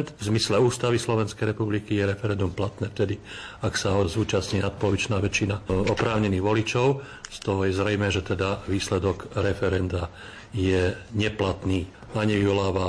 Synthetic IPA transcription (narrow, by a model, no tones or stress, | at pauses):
nt̪vzmislɛuːst̪aʋislɔʋɛnskɛjɾɛpublikijɛɾɛfɛɾɛnd̪umplat̪nɛːft̪ɛd̪iaksaɦɔzuːt͡ʃasɲiːnat̪̚pɔlɔʋit͡ʃnaːʋɛt͡ʃinaɔpɾaːʊɲɛniːɣʋɔlit͡ʃɔʊ | st̪ɔɦɔjɛzɾɛjmɛːʒɛt̪ɛd̪aʋiːslɛd̪ɔɡɾɛfɛɾɛnd̪a | jɛɲɛplat̪niː | aɲiʋiɔlaːʋa